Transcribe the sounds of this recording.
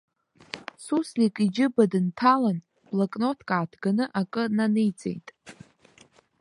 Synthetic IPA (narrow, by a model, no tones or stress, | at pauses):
suslikʼid͡ʒɪbadɨntʰalan | b̥lakʼno̞tʰkʼaːtʰɡanɨʔakʼɨnanɨjt͡sʼḛjtʼ